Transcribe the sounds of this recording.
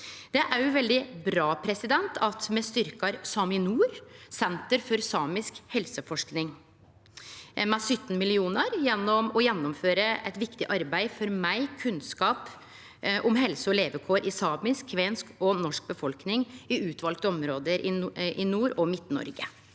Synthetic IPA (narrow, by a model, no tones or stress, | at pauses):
d̪̥ɛʔæɾjʊʋɛld̪ɪbɾɑːpʰɾɛsɪd̪ɛnt̪ʰɑt̪mɛst̪ʏɾkɑɾsɑːmɪnuːɾsɛnt̪əɾfɔɾsɑːmɪskhɛlsəfɔʂknɪŋ | mɛsœt̪ːn̩mɪlɪuːnəɾjɛnːɔmɔjɛnːɔmføːɾəɛt̪ʋɪkt̪ɪʔɑɾbæɪfɔɾmæɪkʰʉnskɑːp | ʔɔmɦɛlsəɔleːʋəkʰoːɾʔɪsɑːmɪskʰːʋeːnskɔnɔʂk̚bəfɔlknɪŋɪʉːt̪ʋɑlkt̪əɔmɾoːd̪əɾʔɪʔɪnuːɾɔmɪt̪ːnɔ̰ɾɡə